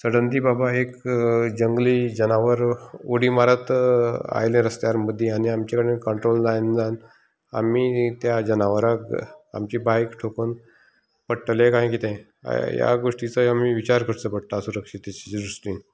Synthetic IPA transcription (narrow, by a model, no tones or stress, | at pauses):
səɽənd̪iːbabaekd͡ʑəŋɡliːd͡ʑənaʋəɾoɽiːmaɾət̪a̰jlẽɾəst̪jaɾməd̪ʱːjeaniamt͡ɕakəɽekəɳʈɾolnajnd͡zan | a̰miːt̪jad͡ʑənaʋəɾaka̰mt͡ɕiːbajkʈʰokon | pəʈlẽkãɦẽk̬it̪ḛ̃ | ja̰ɡoʂʈit͡səamiʋit͡ɕaɾkəɾt͡səpəɽt̪asuɾəkʂit̪et͡ɕid͡ʑɾusliːn